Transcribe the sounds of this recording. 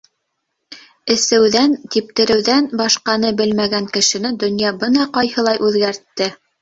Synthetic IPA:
ɘ̆sɘ̆wðænt̪ip̚t̪ɘ̆ɾɘ̆wðænbɑʃqɑnɤbɘlmæɡæŋkɘ̆ʃɘ̆nɘd̪ɵ̆njɑbɤnɑqɑjhɤ̆lˠɑjʔʉðɡæɾt̪ːɘ

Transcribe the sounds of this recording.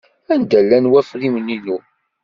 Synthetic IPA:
ænd̪ælːænwæfɾiməninu

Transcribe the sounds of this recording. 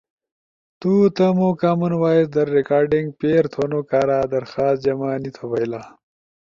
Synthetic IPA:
t̪ut̪ɐmoːkamɐnwaːisd̪ɐɾːekaːɾɖiŋɡ̚peːɾt̪ʰonokaːɾaːd̪ɐɾxaːs̚d͡ʑɐmaːnit̪ʰɐwɐjlaː

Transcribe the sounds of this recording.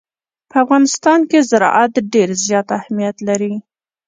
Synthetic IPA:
pəafɣɑnɪst̪ɑnkezaɾɑ̰ʔat̪ɖeɾzjɑt̪ahmijat̪laɾi

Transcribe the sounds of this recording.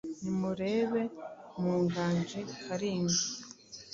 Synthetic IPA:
nimuɾe̞ːβe̞muːŋɡaːɲd͡ʒekʰaɾiːŋɡi

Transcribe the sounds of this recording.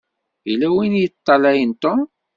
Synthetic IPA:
ilæwinjət̪ˤːɑlæjənt̪om

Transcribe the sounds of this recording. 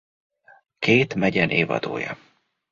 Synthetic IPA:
kʰeːt̪mɛɟɛnʔeːvɒ̰d̪oːjɒ

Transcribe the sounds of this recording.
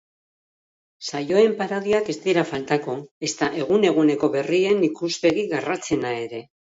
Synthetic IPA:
sajo̞e̞mpaɾo̞ðiake̞zt̪ieɾafalt̪ako̞e̞st̪aʔe̞ɣ̞une̞ɣ̞une̞ko̞βe̞rie̞nikuspe̞ɣiɣarat͡se̞nae̞ɾe̞

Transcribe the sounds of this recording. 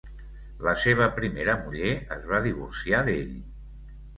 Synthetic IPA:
ləseβ̞əpɾimeɾəmuʎeəzβaðiβursiaðeʎ

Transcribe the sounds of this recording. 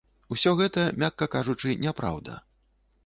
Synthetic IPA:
usʲɔɣɛt̪ɐmʲakːɐkaʐut͡ʂɨnʲɛpɾa̰wd̪ɐ̰

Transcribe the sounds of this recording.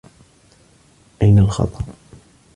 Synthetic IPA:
ʔajnalxɑ̰t̪ˤɑʔ

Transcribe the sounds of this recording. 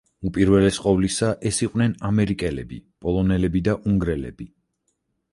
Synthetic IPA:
upʼiɾvɛlɛsqʼɔvlisaʔɛsiqʼwnɛnamɛɾikʼɛlɛbḭpʼɔlˠɔnɛlɛbid̪aʔuŋɡɾɛlɛ̰bi

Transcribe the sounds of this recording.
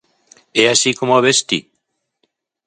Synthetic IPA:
ɛasikomoaβest̪ḭ

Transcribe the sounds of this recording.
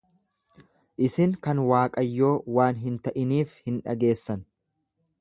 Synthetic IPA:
ʔɪsɪŋkɐnwaːkʼɐjːo̞ːwaːnɦɪnt̪ɐʔɪniːfhɪnᶑɐ̰ɡe̞ːsːɐn

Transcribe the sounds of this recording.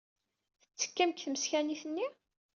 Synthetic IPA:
θə̥t͡sːə̥kːæmkθəməsçæniθənːi

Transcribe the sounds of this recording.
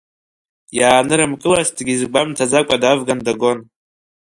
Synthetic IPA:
jaːnɨɾɨmkʼɨlasdɡʲizɡ͡bʷamtʰad͡zakʷʼadavɡandaɡo̞n

